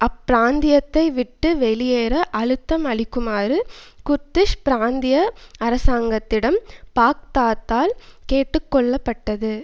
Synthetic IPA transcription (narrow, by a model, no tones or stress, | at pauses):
ɐpːɪɾaːnd̪ɪjɐt̪ːɐɪʋɪʈːɯʋɛlɪjeːɾɐʔɐlɯt̪ːɐmɐɭɪkːɯmaːɾɯkʊɾt̪ːɪʂpɪɾaːnd̪ɪjɐɐɾɐsaːŋɡɐt̪ːɪɽɐmpaːk̚t̪aːt̪ːaːlkeːʈːɯkːɔɭːɐpːɐʈːɐðɯ